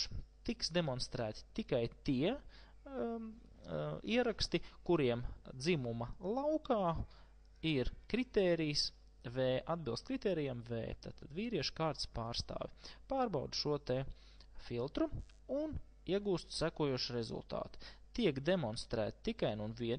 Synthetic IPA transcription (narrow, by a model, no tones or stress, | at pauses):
t̪iksd̪emɔnst̪ɾæːt̪i̥t̪ikajt̪iɛ | iɛɾakst̪ikuɾiɛmd̪zimumɐlˠawkaː | iɾkɾit̪ɛːɾijs | vɛːʔad̪bilˠst̪̚kɾit̪ɛːɾijamvɛ̰ːt̪a̰ːt̪ad̪viːɾiɛʃkaːɾt̪spaːɾst̪a̰ːʋʲipaːɾbawd̪ʃuɔt̪ɛ | filˠt̪ɾu | un | iɛɡuːst̪sækuɔjuːʃɾezṵlˠt̪a̰ːt̪u̥t̪iɛkd̪emɔnst̪ɾæ̰ːt̪i̥t̪ikajnunviɛn